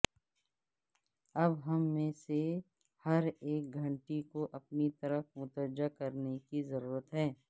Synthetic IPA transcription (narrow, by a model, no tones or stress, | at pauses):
ɐbɦɐmːẽːse | hɐɾeːk̚ɡʱɐ̃ɳʈikoʔɐpnit̪ɐɾəfmʊt̪əɾd͡ʒakɐɾnekizɐɾuːɾət̪ɦɛː